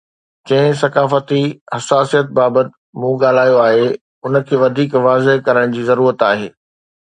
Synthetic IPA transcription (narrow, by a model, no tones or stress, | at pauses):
d͡ʑɐ̃ɦɪ̃sɐkaːfət̪ihɐsaːsijət̪̚baːbət̪ | mũːɡaːl̤aːjoaːɦe | ʊnə̆kʰeːʋɐd̪ʱiːkʋaːzeɦkɐɾəɽ̃d͡ʑiːzɐɾuːɾət̪aːɦeː